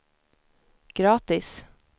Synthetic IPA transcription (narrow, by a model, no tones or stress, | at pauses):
ɡ̥ɾɑːt̪ɪs